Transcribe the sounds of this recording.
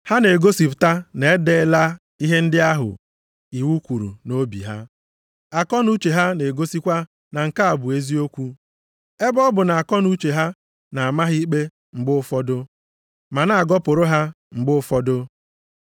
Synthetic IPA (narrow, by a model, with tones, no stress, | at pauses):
ha˦ne˨ɡo˦si˨pta˦ne˨˦de˦la˦ | i˦ɦe˦n̩˦dɪ˦a˦ɦʊ̰˨ | i˨wu˦kʷu˨ɾṵ˨no˦bḭ˨ɦa˦ | a˨kɔ˦nu˦t͡ʃe˨ɦa˦ne˨ɡo˦si˦kʷa˦ | na˨ŋ̩˨ka˦a˨bʊ˨e˦zi˦o˦kʷu˦ | e˦bɔ˦bʊ˨na˨a˨kɔ˦nu˦t͡ʃe˨ɦa˦ | na˨a˨ma˦ɦi˦k͡pe˦ | ŋ͡m̩˨ɡ͡bʊ˦fɔ˦dʊ˦ | ma˨na˦˨a˨ɡɔ˦pʊ˨ɾʊ˦ɦa˦ | ŋ͡m̩˨ɡ͡bʊ˦ʊ˦fɔ˦dʊ˦